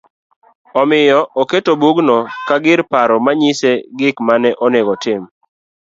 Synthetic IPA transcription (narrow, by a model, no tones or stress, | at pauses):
ɔmɪjɔʔoketobuɡnɔkaɡɪɾpaɾɔmaɲɪseɡɪkmanɛʔɔnɛɡɔtɪm